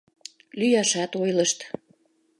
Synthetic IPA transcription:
lyjɑʃɑt̪ojləʃt̪

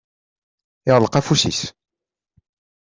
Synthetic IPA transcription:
ɪʁlqɑfusḭs

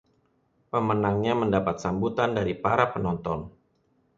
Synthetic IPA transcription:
pəmənaŋɲaməndapat̪̚sambut̪andaɾipaɾapənɔnt̪ɔn

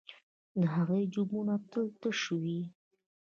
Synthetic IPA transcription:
d̪əɦaɣejd͡ʒumunat̪əlt̪əʃəwi

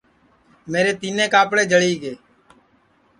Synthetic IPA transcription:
meːɾeːt̪iːnẽːkaːpɽeːd͡ʒʱəɽiːɡeː

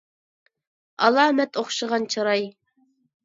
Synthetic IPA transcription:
ɑ̰lˠɑːmɛt̪oχʃəʁɑnt͡ʃʰɑɾɑj

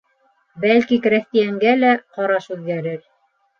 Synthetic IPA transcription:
bælkikɾæθt̪ijæŋɡælæqɑɾɑʃʉðɡæɾɘɾ

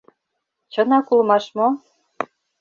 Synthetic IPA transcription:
t͡ɕɤ̆nɑkulmɑʃmo

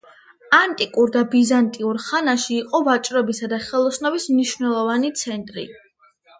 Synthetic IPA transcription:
ant̪ʼikʼuɾd̪abizant̪ʼiuɾχanaʃiːqʼɔvat͡ʃʼɾɔbisad̪aχɛlˠɔsnɔbismniʃvnɛlˠɔvanit̪sʰɛnt̪ʼɾḭ

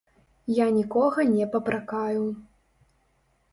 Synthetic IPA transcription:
janʲikɔɣɐnʲɛpɐpɾakaju

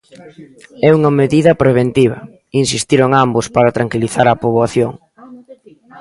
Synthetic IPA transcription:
ɛuŋɐmeðiðɐpɾeβ̞ent̪iβ̞ɐ̰ | insist̪iɾoŋambʊspaɾɐt̪ɾaŋkiliθaɾɐpoβoaθjoŋ

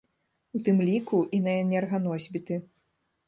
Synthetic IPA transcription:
ut̪ɨmlʲikuʔinɐɛnʲɛrɣɐnɔzʲbʲit̪ɨ

